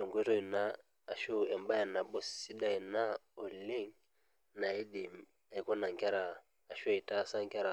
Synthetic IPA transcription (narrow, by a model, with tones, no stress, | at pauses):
ɔ˨ŋɡʷe˦tɔ˦i˨naː˦˨ | ʃu˦ɛ˨mba˦ja˨na˨ɓɔ˦ssi˦da˦i˨na˦ | ɔ˨le˦ŋ | na˨i˦di˨m | a˨i˦kɔ˦na˨ŋ˨ka˦ɾaː˨ | ʃu˦˨i˨ta˦˨sa˦ŋ˦ka˦ɾa˨